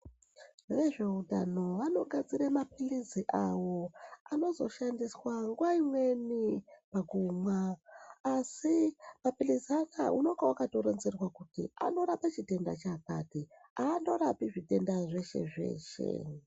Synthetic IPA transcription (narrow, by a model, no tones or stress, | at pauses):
ʋe̞ʐe̞udʱano̞ʋano̞ɡʱad͡ziɾamapiliziʔawo̞ano̞zo̞̰ʃandiswaŋɡuwaimwe̞nipaɡʱumwaː | simapiliziana̰ʔuno̞ŋɡawakado̞ɾo̞nzerwakutḭa̰ndo̞ɾapat͡ʃite̞nda̰t͡ʃakati | aːndo̞ɾapiʐite̞ndaʐe̞ʃe̞̰ʐe̞̰ːʃe̞̰